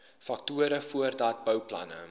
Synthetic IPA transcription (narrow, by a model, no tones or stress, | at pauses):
fɐk̚tuəɾəfuərdɑːt̚bœwplɐ̰nə̰